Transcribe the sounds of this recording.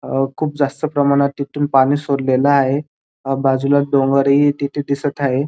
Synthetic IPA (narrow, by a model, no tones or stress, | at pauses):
kʰuːp̚d͡zast̪əpɾəmaɽ̃at̪ːit̪uːnpaɽ̃iːsoɾlelaːɦe | bad͡zulad̪oŋɡəɾit̪iʈ̪id̪isət̪aɦe